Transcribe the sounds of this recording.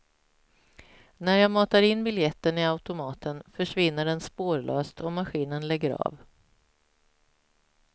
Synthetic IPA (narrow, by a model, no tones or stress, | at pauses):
næɾjɑːmɑːt̪aɾɪnːbɪljɛt̪ːənɪaʉt̪ʊmɑːt̪ʰənfœʂvɪnːəɖɛnspoːɾɭø̰ːst̪ɔmaɧiːnənlɛɡːəɾɑ̰ːv